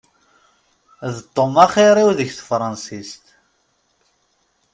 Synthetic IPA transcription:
ðt̪ˤːomaχiɾˤiwðəçθəfɾˤɑnsist̪

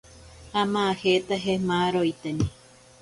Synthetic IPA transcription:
hamãahet̪aɦemãɾojt̪enĩ

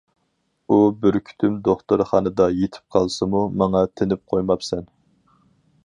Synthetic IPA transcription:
ubɪɾkʲʰy̥t̪ʰymd̪oχt̪ɨɾχɑnɨd̪ɑjet̪ʰɪ̥p̚qʰɑlˠsɨmumɑŋɑt̪ʰɪnɪp̚qʰojmɑpsɛn

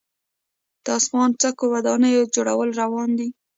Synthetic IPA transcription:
d̪̥əafɣɑnt͡sakowad̪ɑnəjod͡ʒoɽa̰wəlɾawɑnd̪i

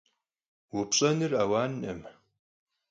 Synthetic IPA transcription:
wʊpɕʼɐnɨraːwaːnɐm

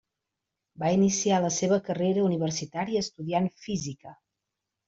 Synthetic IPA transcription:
bainisialəseβəkəreɾəuniβərsit̪aɾiəːst̪uðianfizikə

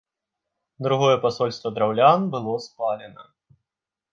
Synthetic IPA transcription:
d̪ɾuɣɔjɛpasɔlʲst̪vɐd̪ɾawlʲanbɨlˠɔspalʲɛnɐ

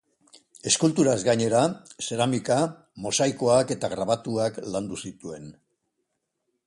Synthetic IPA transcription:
e̞skult̪uɾazɡaɲe̞ɾase̞ɾamika | mo̞sajko̞ake̞t̪aɣɾaβat̪uakland̪usit̪ue̞n

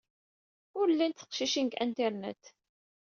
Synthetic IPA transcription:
ʊɾəlːint̪θə̥qʃiʃinɡæ̰nt̪ɛɾnæ̰t̪

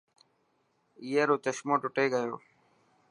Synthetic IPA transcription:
ijeɾoːt͡ɕəʃmõːʈʊʈeːɡəjoː

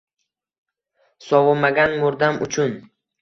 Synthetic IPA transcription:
sɒwʊmaɡʲanmoɾd̪amʊt͡ʃʰʊn

